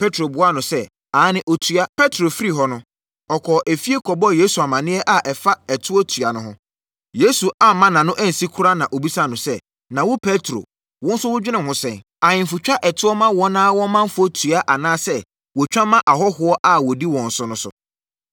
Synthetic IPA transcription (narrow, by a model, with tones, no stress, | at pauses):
pʰe˦tʰɾo˨bʊ˨a˦nʊ̃˨sɛ˦ | aː˨˦nɪ̃˦ʔo˦tʰu˦a˦pʰɛ˦tʰɾo˨fi˦ɾi˦ɦɔ˦nʊ̃˦ | ɔ˨kʰɔ˨ʔɛ˨fi˦e˦kʰɔ˨bɔ˦jeː˦su˨a˨mã˨nɪ̃˦ɛ˦ʔa˨ʔɛ˨fa˦ɛ˨tʰʊ˦ɔ˦tʰu˨a˨nʊ̃˦ɦʊ̃˦ | je˦su˨a˨mã˦nã˨nʊ̃˦ʔæ˦n̩˨si˦kʰʊ˦ɾa˦nã˨ʔo˨bi˦sa˦˨nʊ̃˨sɛ˦ | nã˨wʊ˦pʰe˦tʰɾo̰˨ | wʊ̃˦n̩˦sʊ˦wʊ˦d͡ʑᶣɪ˦nɪ̃˦˨hʊ̃˦sɛ̰̃˨n | a˨ɲɪ̃˨fu˨t͡ɕᶣa˦ʔɛ˨tʰʊ˦ɔ˦mã˦wɔ̃˦nãː˦wɔ̃˦mã˦m̩˦fʊ˦ɔ˦tʰu˨a˦ʔa˨nãː˦sɛ˦ | wɔ˨t͡ɕᶣã˦mːã˦ʔa˨ɦɔ˦hʊ˨˦ɔ˦ʔa˦˨wɔ˨di˦wɔ̃˨n̩˨sʊ˦nʊ̃˦sʊ̰˨